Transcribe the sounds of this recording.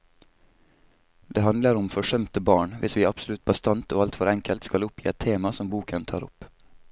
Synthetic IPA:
d̪̥eːhɑnd̪ləɾʊmfɔʂœmt̪əbɑːɳʋɪsʋiːɑpsʊlʉt̪̚bɑst̪ɑnt̪oːɑlt̪fɔɾɛŋkʰəlt̪skɑlʊpʰjḭːɛt̪ʰeːmɑsɔmbuːkʰənt̪ʰɑːɾʊp

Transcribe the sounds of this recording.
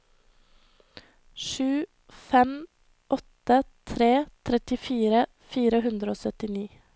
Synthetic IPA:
ʃʉː | fɛm | ʔɔt̪ət̪ʰɾeːt̪ʰɾɛt̪ɪfiːɾə | fiːɾəɦʉnd̪ɾəoːsœt̪ɪniː

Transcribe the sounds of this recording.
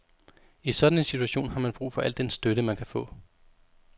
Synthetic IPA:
isɒ̽d̥ænensi̥t͡sʰuæɕo̝̰ːnhɑ̈mænb̥ʁṵːfɒ̽ʔæl̰d̥ensd̥øɾəmænkʰæfɔ̰̽ː

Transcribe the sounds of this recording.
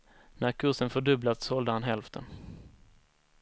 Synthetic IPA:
næɾkʰɵʂənfœɖɵblat̪sɔld̪əhanɦɛlft̪ʰə̰n

